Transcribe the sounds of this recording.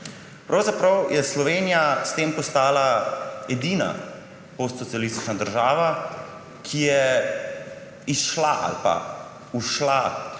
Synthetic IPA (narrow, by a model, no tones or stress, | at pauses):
pɾʔawzapɾawjʔɛslɔʋeːnijast̪eːmpɔst̪aːlaɛd̪iːna̰ | post̪sɔt̪sijalist̪i̥t͡ʃnad̪əɾʒaːʋa | kʰijɛ | isʃlaʔa̰lpa̰ | uʃla